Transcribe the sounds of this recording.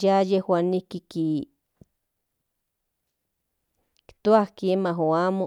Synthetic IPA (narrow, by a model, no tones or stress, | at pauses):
jajehwanikiki | kt̪uahkiemaɦoamo